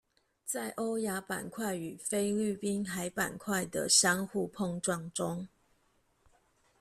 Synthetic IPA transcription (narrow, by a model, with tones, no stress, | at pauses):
t͡sa˥˩ɪʔo˦ʊja˨˥pa̰˨˩nkʰwa˥˨ɪy˨˩fe˦ɪly˥˨˩pi˦nxa˧˥ɪpa̰˨˩nkʰwa˥˩ɪd̪ə̰˨ɕjɑ˥ŋxu˥˧pʰɔ˥˧ŋʈ͡ʂwɑ˥˨ŋʈ͡ʂʊ˦ŋ